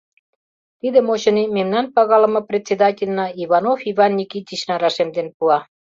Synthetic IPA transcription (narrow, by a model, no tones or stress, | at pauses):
t̪id̪ə̆moɕə̆nimemnɑnpɑɣɑlə̆mɤ̆prʲet̪ʲt͡sʲed̪ɑtʲelʲnɑiβɑnofivɑnːʲikit̪ʲit͡ɕnɑɾɑʃemd̪enpuɑ